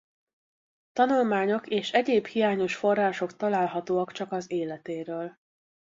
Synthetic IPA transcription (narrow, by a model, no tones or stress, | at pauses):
t̪ɒnulmaːɲo̞keːʃɛɟeːbhijaːɲo̞ʃfo̞rːaːʃo̞kt̪ɒlaːlɦɒt̪oːɒkt͡ʃɒkɒzeːlɛt̪eːɾøːl